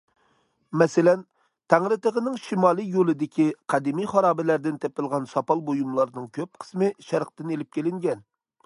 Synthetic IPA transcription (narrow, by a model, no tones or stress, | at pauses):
mɛsɪlɛn | t̪ʰæŋɾɨt̪əʁənɪŋʃimɑːlˠɨjolˠɨd̪ɪkʲiqʰɑd̪ɪmijχɑɾɑːbɪlæɾd̪ɪnt̪ʰɛpɪlˠʁɑnsɑpɑlˠbojumlˠɑɾnɨŋkʲʰøp̚qʰə̥smɪʃæɾqt̪ɨnelɪp̚kʲʰelɪŋɡʲɛn